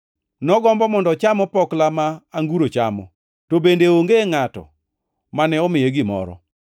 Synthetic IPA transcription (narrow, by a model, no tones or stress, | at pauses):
nɔɡɔmbɔmɔndɔt͡ʃamɔpɔklamaːŋɡuɾot͡ʃa̰mɔ̰ | tobendeoŋɡeŋatɔ̰ | manɛɔmɪjeɡɪmɔ̰ɾɔ̰